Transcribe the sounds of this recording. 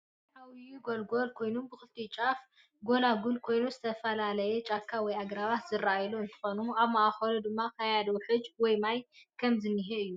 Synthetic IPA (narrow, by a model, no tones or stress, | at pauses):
ħawiɡolɡo̞lkʰo̞jnumbɨxɨlt̪ʰit͡ʃʼaf | ɡo̞laɡulkʰo̞jnuzɨt̪ʰɐfɐlalɐjɛt͡ʃʼakʰːawɔjaɡɾaβat̪z̥ɨraajluɨnt̪ʰɨ̥xonuaβmaʔaxɐlud̪ɨmːakʰɐjad̪oħɨd͡ʒwɔjmajkʰɐmzɨnːiɦeɨjːu